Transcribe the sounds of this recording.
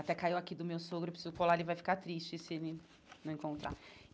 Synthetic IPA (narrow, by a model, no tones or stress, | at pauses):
at̪ɛkaiwakid̪ʊmewsoɡɾʊepɾisizʊkolaelɪvajfi̥kat̪ɾist͡ʃɪsɪelɪ | nɐ̃ẽŋkõnt̪ɾa̰